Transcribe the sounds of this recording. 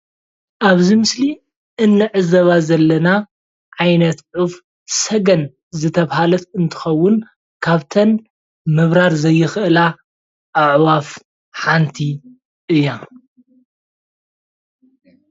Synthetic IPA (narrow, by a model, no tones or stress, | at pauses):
ʔaβzimɨsli | ʔɨnːɨʕɨzɐβazɐlːɐna | ʕajnɐt̪ʕuf | sɐɡɐn | zɨt̪ʰɐβhalɐt̪ɨnt̪ʰɨ̥xɐwːʊn | kʰaβt̪ʰɐn | mɨβɾaɾzɐjːɨxɨʔɨla | ʔaʕwaf | ħant̪ʰi | ʔɨjːa